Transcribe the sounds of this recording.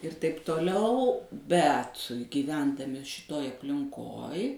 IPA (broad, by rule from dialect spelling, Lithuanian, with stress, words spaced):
ɪr tɐɪp toːˈlʲɛʊ ˈbʲɛt ɡʲiːˈʋʲɛndɐmʲɪ ʃʲɪˈtoːj ɐpʲlʲɪŋˈkoːj